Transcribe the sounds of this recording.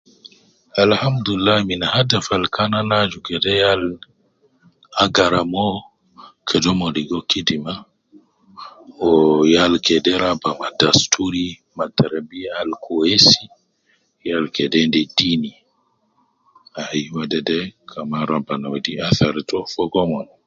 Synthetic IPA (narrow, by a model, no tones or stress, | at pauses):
alhamduilːahminahadafalkananad͡ʒukɛdɛjal | aɡaɾamɔ | kʰɛdɔmɔdiɡɔkidima | ɔjalkɛdɛɾabamadastʰuɾi | matʰːaɾabijaːlkʰɔesi | jalkɛdɛndɛdini | ajiwadɛdɛkʰamaɾabanawdiaθaɾtɔfɔɡɔmɔn